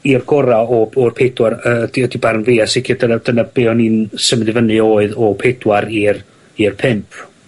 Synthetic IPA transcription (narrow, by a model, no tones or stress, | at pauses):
irɡ̥ɔɾaɔɔrpʰedwaɾəːədiədibarnviːasɪkʰɪdənad̥ənab̥eɔniːnsəmdɨvənɨoːɨðɔpʰed̥waɾir | irpʰɪmpʰ